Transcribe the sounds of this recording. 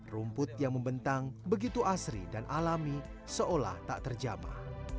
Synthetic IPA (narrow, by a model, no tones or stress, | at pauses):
rumpʊt̪̚jaŋməmbənt̪aŋbəɡit̪uʔasɾḭdanʔalami | səʔola̰ht̪a̰ʔt̪ərd͡ʒama̰h